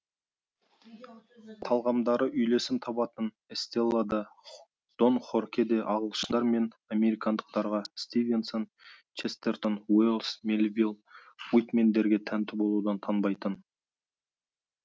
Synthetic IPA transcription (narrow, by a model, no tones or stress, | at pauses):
t̪ʰɑlˠʁɑmd̪ɑɾəʔʏjle̞sɪmt̪ʰɑpɑt̪ən | est̪e̞lˠːad̪ɑ | d̪̥o̞nχo̞ɾkʲed̪e̞ʔɑʁəlˠəʃəd̪ɑɾme̞n | ame̞ɾijkɑnd̪əq̚t̪ɑɾʁɑst̪ive̞nso̞n | t͡ʃʰest̪eɾt̪onwilˠsmelʲvʲilˠ | wujt̪me̞nd̪e̞ɾɡʲe̞t̪ʰænt̪ɪbo̞lˠud̪ɑnt̪ʰɑnbɑjt̪ən